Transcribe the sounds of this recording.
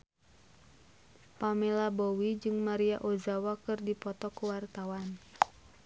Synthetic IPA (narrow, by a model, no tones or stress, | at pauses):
pamɛlabowid͡ʒɨŋmaɾiaʔozawakɨrdipɔt̪ɔkuwart̪awan